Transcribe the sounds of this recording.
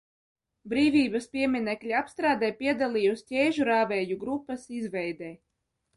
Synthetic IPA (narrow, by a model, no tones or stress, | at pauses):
bɾiːvʲiːbɐspʲiɛmʲinɛklʲiapst̪ɾaːd̪ɛjpiɛd̪alˠiːjusʲcʲɛːʒuɾaːvɛːjuɡɾupːɐsizvɛjd̪ɛː